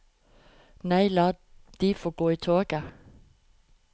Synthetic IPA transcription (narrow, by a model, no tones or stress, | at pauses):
næɪlɑː | d̥ifɔːɡ̥oːit͡sʰɔːɡ̥æ